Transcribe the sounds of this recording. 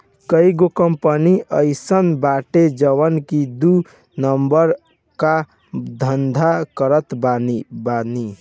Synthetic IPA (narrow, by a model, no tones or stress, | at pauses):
kəiɡokəmpəniəɪsənbaʈed͡ʒəwənkid̪u | nəmbəɾ | ka | d̪ʱənd̪ʱakəɾət̪banibani